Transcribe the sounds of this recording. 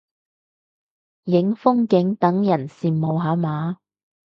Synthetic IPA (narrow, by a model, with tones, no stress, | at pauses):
jɪ˨˥ŋfʊ˥ŋkɪ˨˥ŋt̪ɐ˨˥ŋjɐ˨˩nsiː˨mmo˨wɦaː˨˥maː˨˥